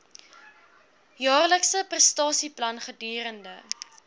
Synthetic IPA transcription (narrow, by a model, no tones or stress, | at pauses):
jɑːrləksəprəstɑːsiplɐnχədyːɾəndə